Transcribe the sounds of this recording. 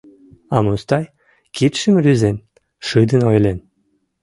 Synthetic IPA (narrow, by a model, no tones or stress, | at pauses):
ɑmust̪ɑj | kit̪ʃəmɾyzen | ʃɨd̪ə̆nojlʲen